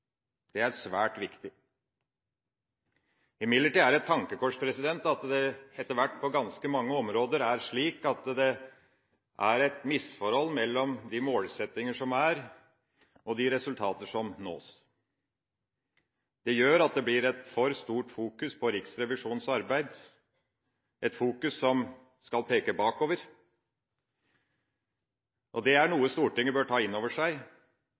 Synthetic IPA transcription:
d̪̥ɛæɾʂʋæːʈʋɪkt̪ɪ | ɪmɪd̪ləʈiːæɾɛt̪ʰːɑŋkəkʰɔʂpʰɾɛsɪd̪ɛnt̪ɑt̪d̪ɛɛt̪ːəɾʋæʈːpʰɔɡɑnskəmɑŋːəɔmɾoːd̪əɾæɾʂɭiːkɑt̪d̪ɛ | ʔæɾɛt̪mɪsfɔɾhɔlːmɛlːɔmd̪ɪmoːlsɛt̪ːɪŋəʂɔmæɾ | ʔɔd̪ɪɾɛsʉlt̪ʰɑːt̪əʂɔmno̰ːs | d̪̥ɛjøːɾɑt̪̚d̪ɛblɪɾɛt̪fɔɾst̪uːʈfuːkʉspʰɔɾɪksɾɛʋɪʂuːnsɑɾbæɪd̪ | ʔɛt̪fuːkʉsːɔm | skɑlpʰeːkəbɑːkoːʋəɾ | ʔɔd̪ɛæɳuːəst̪uːʈɪŋːəbøːʈʰɑːɪnːoːʋəʂæɪ

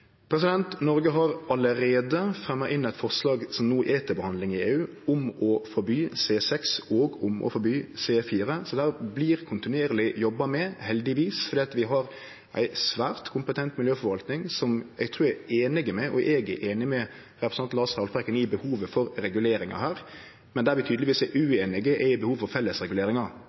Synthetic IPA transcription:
pʰɾɛsɪd̪ɛnt̪nɔɾɡəɦɑɾɑləɾeːd̪əfɾɛmːɑʔɪnːɛɪt̪fɔʁslɑːɡsɔmnuːʔeːt̪ʰɪbəhɑnd̪lɪŋɪeːʉː | ʊmɔfɔɾbyːseːsɛksɔːɡʊmʔɔ̰fɔɾbyːseːfiːɾəsɔd̪æːɾbliːɾkʰʊnt̪ɪnʉeːɾlɪjɔbːɑmɛhɛld̪ɪʋiːsfɔɾd̪eːɑt̪ʋɪɦɑɾ | ʔæ̰ɪsʋæːɾt̪kʰʊmpət̪ʰɛnt̪mɪljøːfɔɾʋɑlt̪nɪŋsɔmɛɡ̚t̪ʰɾʉːɾɛeːnɪɡəmɛʔɔ̰ʔɛːɡə̰ʔeːnɪmɛ | ɾɛpɾəsɑnt̪lɑːshɑʊlpɾɛkːənɪbəhuːʋəfɔɾɾɛɡʉleːɾɪŋɑ̰ɦæːɾ | mɛnd̪æɾʋɪt̪ʰyːd̪lɪʋiːsæʔʉeːnɪɡəʔɛɪbəhuːʋfɔɾfɛlːəsɾɛɡʉleːɾɪŋɑ

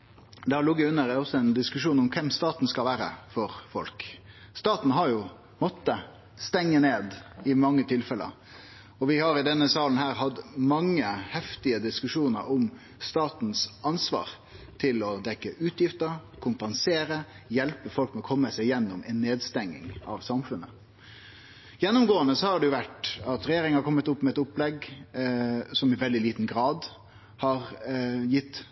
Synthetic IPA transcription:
d̪ɛhɑɾlʊɡʋɪʉnəɾɛɔsːɔɛnd̪ɪskʉʂuːnɔmkʰɛmst̪ɑːt̪n̩skɑlʋæːɾə̰fɔɾfɔ̰lk | st̪ɑːt̪n̩ɦɑɾjʊ | mɔt̪ːə | st̪ɛŋːəneːd̪ɪmɑŋːət̪ʰɪlfɛlə̰ɾ | ɔʋɪhɑɾɪd̪ɛnːəsɑːln̩hæːɾhɑd̪mɑŋːəhɛft̪ɪəd̪ɪskʉʂuːnə̰ɾɔm | st̪ɑːt̪n̩sɑnsʋɑ̰ːɾ | t̪ʰɪlɔd̪ɛkːəʔʉːt̪jɪft̪əɾkʰʊmpənseːɾə | jɛlpəfɔlk̚mɛɔkʰɔmːəsæɪjɛnːʊmɛnːeːd̪st̪ɛŋːɪ̰ŋɑ̰ʋsɑmfʉnə | jɛnːʊmɡoːənəsɔhɑɖɛjʊʋæʈɑt̪ɾɛjeːɾɪŋəhɑɾkʰɔmːət̪ʊpːmɛɛt̪ʊplɛɡ | sɔmɪʋɛld̪ɪliːt̪n̩ɡɾɑːd̪ | hɑɾjɪt̪ː

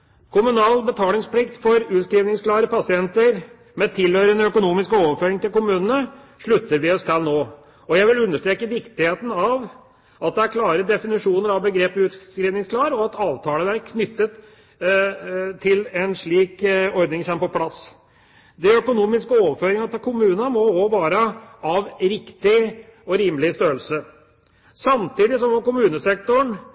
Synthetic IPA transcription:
kʰʊmʉnɑːlbət̪ʰɑːlɪŋspʰlɪkt̪fɔɾʉːt̪skɾiːʋnɪŋsklɑːɾəpʰɑsɪɛnt̪əɾ | mɛt̪ʰɪlhøʏɾənəœkʊnuːmɪskəoːʋəɾføːɾɪŋt̪ɪlkʊmʉːnənə | ʂɭʉt̪ːəɾʋɪɔst̪ʰɛlnoː | ɔjæɪʋɪlʉnːəʂʈ̪tɾeːkəʋɪkt̪ɪheːt̪ən̩ɑʋ | ʔɑt̪̚d̪ɛæɾkʰlɑːɾəd̪ɛfɪnɪʂuːnəɾɑʋbəɡɾeːpʉt̪skɾiːʋnɪŋskʰlɑːɾɔɑt̪ɑːʋt̪ʰɑːləʋæɾkʰnʏt̪ːət̪ | t̪ʰːɪlɛnʂɭiːkɔɾd̪nɪŋçɛmpɔpʰlɑs | d̪ɛœkʊnuːmɪskəoːʋəɾføːɾɪŋɑt̪ɪkʰʊmʉːnəmɔoʋɑːɾəɑʋɾɪkt̪ɪɔɾiːmlɪst̪øːəlsə | sɑmt̪iːd̪ɪsɔmʋɔkʊmʉːnəsɛkt̪ɔɳ

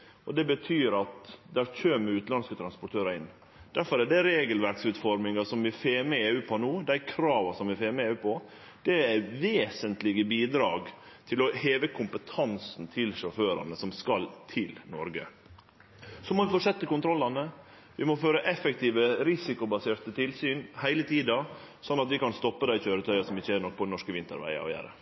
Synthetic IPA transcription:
ʔɔd̪ɛbət̪ʰyːɾɑt̪d̪æɾçøːmɪʉːt̪lɑnskət̪ʰɾɑnspʊʈʰøːɾɑɾɪnː | d̪̥æɾfɔɾæɖɛɾeːɡəlʋæɾksʉːt̪fɔɾmɪŋɑsɔmʋɪfeːmeːʉːpʰɔnuːd̪æɪkʰɾɑːʋɑsɔmʋɪfeːmeːʉːpʰɔ | d̪̥ɛæʋeːsənt̪lɪɡəbiːd̪ɾɑːɡ | t̪ʰɪlɔheːʋəkʰʊmpət̪ʰɑnsn̩t̪ʰɪlʂɔføːɾɑ̰nəsɔmskɑlt̪ʰɪlnɔɾɡə̰ | sɔmɔʋɪfoːʂɛt̪ːəkʊnt̪ʰɾɔlːɑnə | ʋɪmɔføːɾəʔɛfɛk̚t̪ʰiːʋəɾɪsɪkʊbɑseːɾt̪ət̪ʰɪlsyːnhæɪlət̪ʰiːd̪ɑsɔnːɑt̪ʋɪkɑnst̪ɔpːəd̪æɪçøːɾət̪ʰœʏɑsɔmɪçːəæɾnɔk̚ːpʰɔɛnɔʂkəʋɪnt̪ə̰ɾʋæ̰ɪɑ̰æ̰ɾə̰

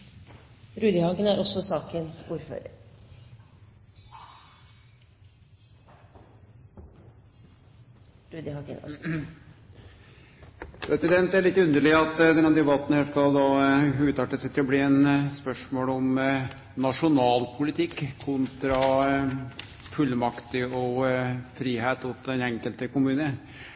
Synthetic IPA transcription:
ɾʉːd̪əhɑkənæɾɔsːɔsɑːkənsuːɾfø̰ːɾə̰ɾ | ɾʉːd̪ɪhɑ | pʰɾɛsɪd̪ɛnt̪æɭɪt̪ːʉnd̪əɭɪəɑt̪d̪ɛnɑd̪ɛbɑt̪ːn̩hæʂkɑld̪ɑʉːt̪ɑʈːəsɛt̪ːɾɔblɪɛnspœʂmoːlɔm | nɑʂʊnɑːlpʰʊlɪt̪ʰɪkʰːʊnt̪ɾɑ | fʉlmɑkt̪ɪɔfɾiːheːt̪ʊt̪d̪ɛnɛŋkəlt̪əkʊmʉːnə

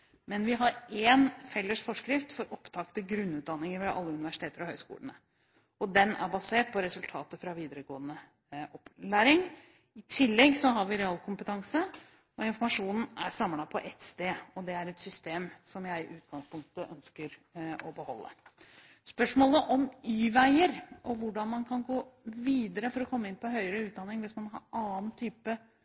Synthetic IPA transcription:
mɛnʋɪɦɑɾeːnfɛlːəʂfɔʂkɾɪft̪fɔɾʔɔpt̪ʰɑkt̪əɡɾʉnːʉːt̪̚d̪ɑnːɪŋəɾʋɛʔɑ̰lːəʉnɪʋæʂɪ̥t̪eːt̪əɾɔhœʏskṵːlənə | ɔd̪ɛnæ̰ɾbɑseːʈ̚pʰɔɾɛsʉlt̪ʰɑːt̪əfɾɑʋiːd̪əɾəɡoːənə | ʔɔplæːɾɪŋ | ɪt̪ʰɪlːɛɡsɔɦɑɾʋɪɾɛɑːlkʰʊmpət̪ʰɑŋsə | ɔɪnfɔɾmɑʂuːnn̩æɾsɑmːlɑpʰɔʔɛt̪st̪eːɔd̪ɛæɾɛt̪sʏst̪eːmsɔmjæɪʔʉːt̪̚ɡ̥ɑŋspʰʊŋk̚t̪əʔœnskəɾɔbəhɔlːə̰ | spœʂmoːləʔɔmyːʋæɪəɾʔɔʋʊɖɑnmɑnkʰɑnɡoːʋiːd̪əɾəfɔɾɔkʰɔmːəɪnpɔɦœʏəɾəʉːt̪̚d̪ɑnːɪŋʋɪsmɑnɦɑ̰ɾʔɑːn̩t̪ʰyːpə

